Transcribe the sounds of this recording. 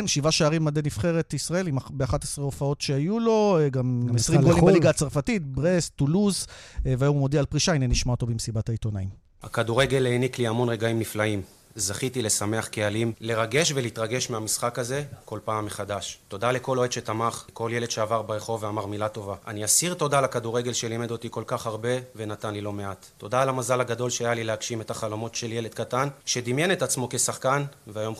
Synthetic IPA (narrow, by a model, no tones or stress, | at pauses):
nʃivaʃaaʁimːadenifχeʁet̪isʁae̞limbeaχatesʁeofao̞tʃeajulo̞ɡamesʁimɡolimbaliɡat͡saʁfatit̪bʁestuluz | veaomod̪ealpʁiʃaineniʃmaot̪obimsibataito̞naim | ha̰kad̪uʁe̞ɡe̞lenikliamo̞nʁeɡaimniflaim | zaχit̪ile̞same̞aχkealimle̞ʁaɡe̞ʃve̞litʁaɡe̞ʃmeamisχakaze̞ko̞lpaːmːe̞χadaʃto̞dale̞ko̞lo̞ed̪ʃe̞t̪amaχko̞lje̞led̥̪ʃe̞avaʁbeʁeχo̞vːeamaʁmilato̞vaʔa̰niasiʁt̪o̞dalakaduʁe̞ɡe̞lʃelimed̪ot̪iko̞lkaχhaʁbe̞ve̞natanlilo̞me̞at̪ːo̞d̪aːlamazalaɡado̞lʃeajalilehaɡʃime̞taχalomo̞tʃe̞ljele̞d̪̚katanʃe̞d̪imje̞ne̞tat͡smo̞ke̞saχkanveajo̞m